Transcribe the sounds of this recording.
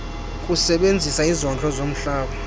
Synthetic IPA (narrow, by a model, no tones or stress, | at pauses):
kʼusɛɓend͡zʱisaizɔnt͡ɬʼɔzom̩ɬaːɓa